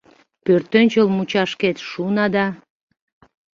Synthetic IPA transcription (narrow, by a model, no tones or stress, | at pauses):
pørt̪ːønʲt͡ɕəlmut͡ɕɑʃket̪ʃunɑd̪ɑ